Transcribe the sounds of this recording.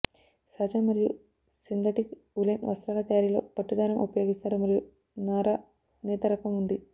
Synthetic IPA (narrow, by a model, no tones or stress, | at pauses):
saːd͡ʒaːmɐɾiju | sind̪ɐʈik | ulenʋɐ̰st̪ɾaːlɐt̪ɐjaːɾilo̞̰ːpɐʈːud̪aːɾɐmupɐjo̞ːɡist̪aːɾumɐɾiju | naːɾa | nɛːt̪ɐɾɐkɐmund̪i